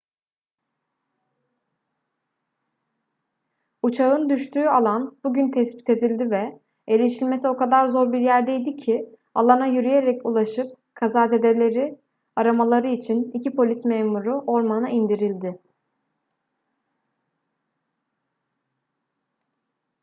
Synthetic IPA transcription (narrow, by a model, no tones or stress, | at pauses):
ut͡ʃʰaɯnd̪yʃt̪ʰyːalˠanb̥uɟynt̪ʰɛspi̥t̪ʰe̞d̪ilʲd̪ivɛ | elʲiʃilʲme̞sio̞kad̪aɾzo̞ɾbiɾjæɾd̪ejd̪icʰɪ | alˠanajyɾyje̞ɾɛculˠaʃɯp̚ | kʰazaːze̞d̪e̞lʲe̞ɾɪ | aɾamalˠaɾɯit͡ʃʰinicʰipʰo̞lʲismeːmuɾuʔo̞ɾmanɯnaind̪iɾilʲd̪ɪ